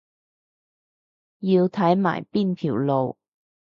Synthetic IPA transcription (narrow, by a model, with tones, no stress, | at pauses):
jiː˧wt̪ʰɐ˨˥jma̰ː˨˩jpiː˥˩npʰiː˨˩wlo˨˧w